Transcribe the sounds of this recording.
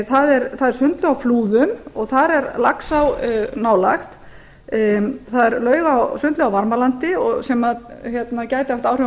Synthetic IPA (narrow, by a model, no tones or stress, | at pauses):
θaðɛɾθaðɛɾ̥sʏnt̪lʏawfluːðʏmɔɣθaɾɛɾlaksawnaːwlaxt̪ | θaðɛɾlœːɥɣawsʏnt̪lʏawvaɾmalant̪ɪɔsɛmaðçjɛt̪nacaːjt̪ɪaft̪aːwr̥ʏ